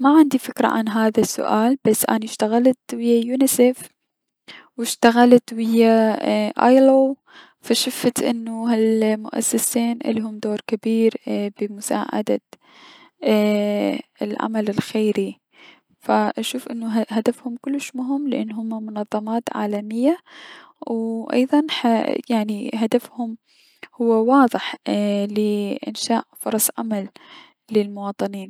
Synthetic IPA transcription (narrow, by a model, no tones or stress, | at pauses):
maʕɪnd̪ifɪkɾˤa̰ʕa̰nɦaːðasːʊ̰ʔaːlb̥asːʔa̰niʃt̪aɣalt̪wɪjːajuːnɪseːf | wɪʃt̪aɣalat̪wɪjːaʔa̰jloː | faʃʊft̪ʔɪ̰nːʊhalmʊ̰ʔa̰sːasiːnʔɪ̰lːiɦʊmd̪oːɾkabiːɾbɪmʊsa̰ːʕa̰d̪a̰ | ɪlʕa̰malɪlxeːɾi | faʔaʃuːfʔɪnːʊɦhad̪afhʊmkʊlːɪʃmʊɦɪmːlɪʔɪ̰nːɦʊmːamʊnɑðˤːɑmɑːt̪ʕa̰ːlamɪjːa | wʔɑ̰jðˤɑnħajaʕniɦad̪afhʊm | hʊwːawɑːðˤɨħlɪʔɪ̰nʃaːʔfʊɾˤɑsˤʕa̰malː | ɪlmʊwɑːt̪ˤɨniːn